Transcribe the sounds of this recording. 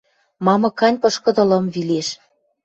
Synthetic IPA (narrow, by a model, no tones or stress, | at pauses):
mɑmɤ̆kɑnʲpɤ̆ʃkɤ̆d̪ɤ̆lɤ̆mvileʃ